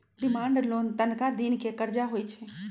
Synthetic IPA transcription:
ɖɪmãːɳɖloːnt̪ənkad̪inkekəɾd͡ʒaɦoːit͡ʃʰɛ

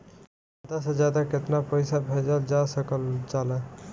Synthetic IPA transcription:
aːd̪asəd͡ʒjaːd̪akɪt̪napəɪsabʱeːd͡ʒəld͡ʒasəkəlt͡ʃaːlɛ

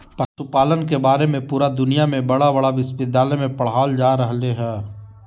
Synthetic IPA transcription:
pɐsupaːlənkebaːɾemẽpuːɾad̪ʊnijamẽbɐɽabɐɽaʋɪspɪd̪aːlemẽpɐɽ̤ɦaːld͡ʒaːɾɐɦleɦɛː

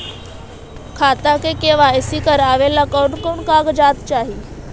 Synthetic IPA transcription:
kʰat̪akekeʋaesikəɾaʋelakəwɳkoɳkaɡd͡ʑat̪t͡ɕaɦi

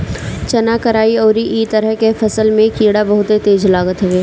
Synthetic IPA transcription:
t͡ʃɐnakəɾaːiɔːɾiʔiːt̪əɾəɦkefɐsəlmẽkiːɽabɐɦʊt̪et̪eːd͡ʒlaːɡət̪ɦɛeː

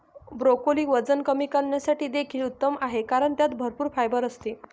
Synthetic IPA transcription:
bɾokoliːʋəd͡zənkəmiːkəɳːjasaʈiːd̪ekʰiːlut̪ːəmaɦekaɾəɳt̪jat̪bʱəɾpuːɾfajbəɾəst̪i

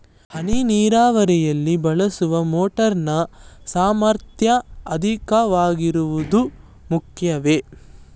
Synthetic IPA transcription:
hɐniniːɾaːʋɐɾɛjɐlːibɐɭɐsuʋɐmoːʈɐɾnɐsaːmɐɾt̪ʰjɐɐd̪ʱikɐʋaːɡiɾuʋud̪u | mukʰjɐʋe

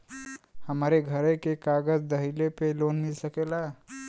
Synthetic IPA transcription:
həmaɾeɡʱəɾekekaɡəd͡ʒd̪əɦilepelonmilsəkela

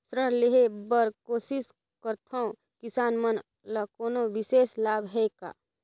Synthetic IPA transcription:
sɾəɽleɦebəɾkoːsɪs | kəɾt̪ʰoõ | kɪsaːnmən | lakoːnoʋɪseːslaːbʱɦɛka̰ː

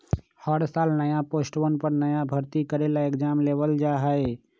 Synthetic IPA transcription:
həɽsaːlnəjaposʈʋənpəɾnəjabʱəɾt̪ikəɾelaekd͡ʒaːmleʋəld͡ʒaɦəe

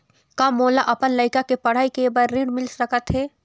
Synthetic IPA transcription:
kamoːlaʔɐpənləɪkakepɐɽ̤aːikebəɾɾɪ̃ɽmɪlsɾəkʰət̪ɦɛː

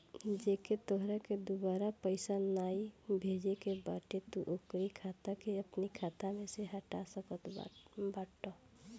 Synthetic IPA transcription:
d͡ʒeket̪oɦɾaked̪ubaɾapəɪsanaibʱed͡ʒekebaʈet̪uʔokɾikʰat̪akeəpnikʰat̪amẽseɦəʈasəkət̪baːʈːɔ

